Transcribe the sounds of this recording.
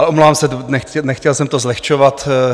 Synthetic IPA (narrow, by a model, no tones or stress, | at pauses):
lɛʔomlovaːmsɛt̪nɛɛnɛxcɛlsɛmt̪ozlɛxt͡ʃovat̪